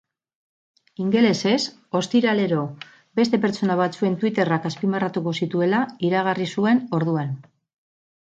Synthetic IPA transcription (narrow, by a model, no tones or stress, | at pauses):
iŋɡe̞le̞se̞s | o̞st̪iɾale̞ɾo̞ | be̞st̪e̞pe̞ɾt͡so̞naβ̞at͡sue̞nt̪wit̪e̞rakaspimarat̪uko̞sit̪ue̞laiɾaɣ̞arisue̞no̞ɾð̞uan